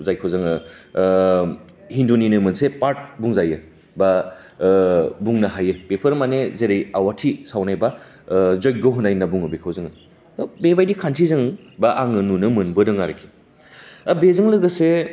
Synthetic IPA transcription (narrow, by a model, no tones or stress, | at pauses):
zajkʰawzɯŋɯ | hinduninɯmɯnsepaɾt̚buŋzajɯ | ba | buŋnaɦajɯbepʰɯɾmanezeɾejawatʰisawnajba | zoj̚ɡɯɦunajnɐbuŋɯbekʰawzɯŋɯ | dɔbebajdikʰansʰizɯŋ | baʔaŋɯnunɯmɯnbɯdɯŋaɾekʰi̥ | abezɯŋlɯɡɐse